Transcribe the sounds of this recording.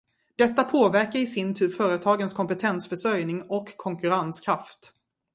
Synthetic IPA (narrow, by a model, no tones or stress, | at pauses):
d̪̥ɛt̪ːapʰoːvæɾkaɾɪsɪnt̪ʰʉ̟ːfœːɾət̪ʰɑːɡənskʰɔmpət̪ʰɛnsfœʂœɾjnɪŋɔkʰːɔŋkɵɾanskʰɾaft̪